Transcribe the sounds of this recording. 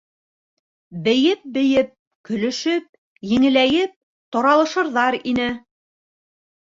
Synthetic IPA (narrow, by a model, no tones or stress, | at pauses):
bɘ̆jɘp̚bɘ̆jɘp̚ | kɵ̆lɵ̆ʃɵp̚ | jɘ̆ŋɘ̆læjɘp̚ | t̪oɾɑlˠɤ̆ʃɤ̆ɾðɑɾinɘ